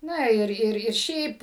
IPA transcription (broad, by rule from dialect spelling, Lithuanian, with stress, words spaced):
ˈnɐ ˈɪr ˈɪr ɪr ˈʃʲɛɪp